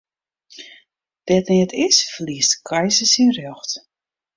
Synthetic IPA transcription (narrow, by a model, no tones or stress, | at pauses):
d̥ɛtniətʰɪsfliəstkʰajsəsinrjɔxt